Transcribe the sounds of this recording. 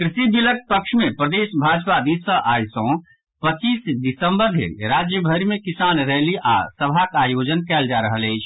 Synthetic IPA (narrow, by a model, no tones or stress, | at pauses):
kɾisibilək̚pəkʃʰmepɾəd̪esbʱad͡ʒpad̪isəʔajsõ | pət͡ʃisd̪isəmbəɾd̪ʱḛɾad͡ʒjəbʱəɾimekisanɾəɦliʔa̰səbʱakajod͡ʒənkɛld͡ʒaɾəɦələɪt͡ʃʰ